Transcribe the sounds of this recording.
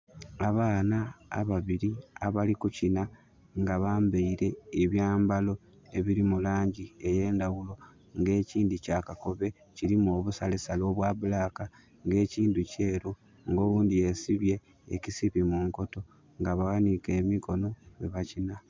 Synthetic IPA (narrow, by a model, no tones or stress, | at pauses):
aβaːna̰ːβaβiɾiaβalikucina | ŋɡaβaːmbeiɾe̞ːβjaːmbalo̞ | eβiɾimulaːɲɟieje̞ːndaɣulo̞ | ŋɡe̞ːciːndicaːkako̞βe̞ | ciɾimoːβusalesalo̞βwaβulaːka | ŋɡe̞ːciːnduce̞ːɾu | ŋɡo̞ːβuːndie̞siβje̞̰ː | cisiβimuːŋko̞to̞ | ŋɡaβawanike̞ːmiko̞no̞eβacina